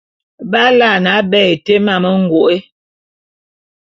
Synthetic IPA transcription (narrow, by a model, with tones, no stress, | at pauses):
ba˦la˦˨na˨˦bɛ˦˨e˨te˦ma˨mə˦ŋ̩˨ɡo˨ʔe˦